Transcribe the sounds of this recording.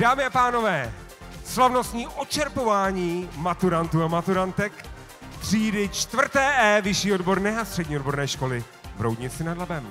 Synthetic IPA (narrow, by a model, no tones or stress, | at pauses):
d̥aːmɪapaːno̞vɛː | slavno̞st̪ɲiːʔot͡ʃɛɾpo̞vaːɲiːmat̪uɾant̪uːamat̪uɾant̪ɛk | t̪r̥iːdɪt͡ʃt̪vr̩t̪ɛːʔɛːvɪʃiːodbo̞ɾnɛːast̪r̥ɛdɲiːodboɾnɛːʃko̞lɪ | vɾowdɲɪt͡sɪnadlabɛm